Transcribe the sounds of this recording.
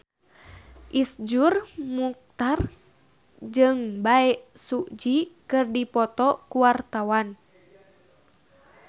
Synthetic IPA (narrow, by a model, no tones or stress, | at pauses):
ʔisd͡ʒurmuk̚t̪ar | d͡ʒɨŋbaɛʔsukd͡ʒikɨrdipɔt̪ɔkuwart̪awan